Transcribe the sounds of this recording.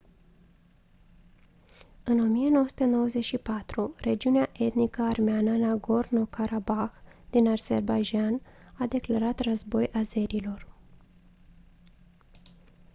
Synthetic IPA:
ɨno̞mijeno̞wəsu̥t̪eno̞wəzeʃipat̪ɾure̞d͡ʒiuneaʔe̞t̪nikəarmeanənaɡorno̞kʰaɾabaxd̪inarz̥e̞̰rbajd͡ʒanad̪e̞klaɾat̪rəzbo̞jʔaze̞ɾilo̞r

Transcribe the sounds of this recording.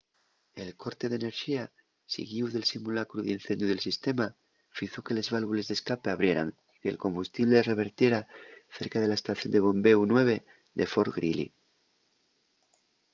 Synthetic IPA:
e̞lko̞ɾt̪e̞ðene̞ɾxia | sḭɣiuðe̞lsimulakɾuðinθe̞nd̪juðe̞lsist̪e̞ma | fiθo̞ke̞le̞zβalβule̞zðe̞skapeaβɾje̞ɾa̰ŋ | i̥ke̞̰lko̞mbust̪iβlere̞β̞e̞ɾt̪je̞ɾaθe̞ɾkað̞e̞lae̞st̪aθjo̞nd̪e̞β̞o̞mbe̞unwe̞β̞e̞ | ðe̞fo̞ɾɣɾḭlḭ

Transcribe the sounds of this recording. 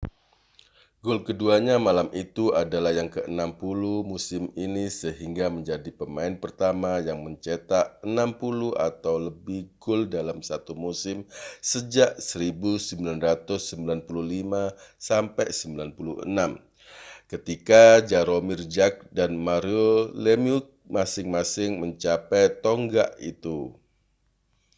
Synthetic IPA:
ɡʊlkəduaɲamalamit̪uadalahjaŋkəənampuluhmusɪminisəɦiŋɡaməɲd͡ʒadipəmaɪnpərt̪amajaŋməɲt͡ʃet̪aʔənampuluha̰t̪awləbɪhɡʊldalamsat̪umusɪmsəd͡ʒaʔsəɾibusəmbilanrat̪ʊsːəmbilanpuluhlimasampɛjsəmbilanpulṵə̰nam | kət̪ikad͡ʒaɾomird͡ʒak̚danmaɾiolemiuk̚masɪŋmasɪŋməɲt͡ʃapɛjt̪oŋɡaʔḭt̪u

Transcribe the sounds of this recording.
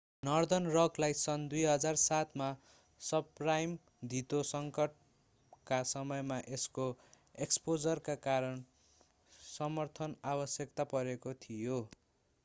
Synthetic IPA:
nʌrd̪ʌnrʌklajsʌnd̪ujɦʌd͡zarsat̪ʰma | sʌbprajm | d̪ʱit̪osʌŋkʌʈ̚ | kasʌmʌjmaʔesko | ekspod͡zʌrkakaɾʌn | sʌmʌrt̪ʰʌnabʌsjʌkt̪apʌɾekot̪ʰijo

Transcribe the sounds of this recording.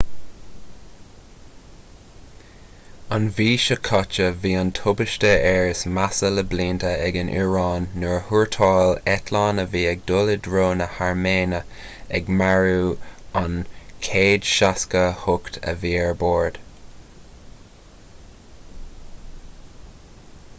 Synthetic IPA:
ɑnviːʃəkʰɑt͡ʃəviːɑntʰʊbɪʃtəɛɹɪsmasələbliːntəɛɡənʔḭɹɑːnːuɹhuɹtʰɑːlɛtʰlɑːnəviːɛɡ̚dʊlədɹoːnəhaɹmeːnə | ɛɡmaɹuːɑnkʰeːdʃaskəhʊkt̪ʰə̰viːɛɹboːɹd̥

